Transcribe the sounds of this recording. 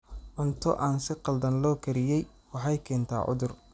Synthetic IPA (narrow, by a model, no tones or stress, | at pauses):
ʕʊnt̪ʰɔʔaːnsɪqɑld̪ɐnlɔːkʰɐɾɪjɛj | wɑħɑjkʰɛːnt̪ʰa̰ːʕʊ̰ðʊr